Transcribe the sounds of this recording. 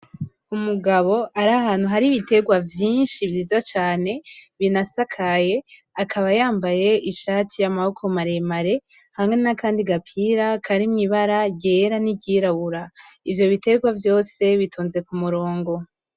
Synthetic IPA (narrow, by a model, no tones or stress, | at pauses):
umuɡaβo̞aɾaɦaːn̥huɦaɾiβite̞ɡwavjiːnʃivjiːzat͡ʃaːne̞βinasakʰaje̞ | akʰaβajaːmbaje̞ʔiʃaːtʰijamahokʰomaɾe̞maɾe̞ | hamŋe̞nakaːndiɡapʰiːɾakʰaɾimŋiβaɾaɟeɾaniɟiɾaβuɾaivjo̞βite̞ɡwavjo̞ːse̞βituːnze̞kumuɾo̞ːŋɡo̞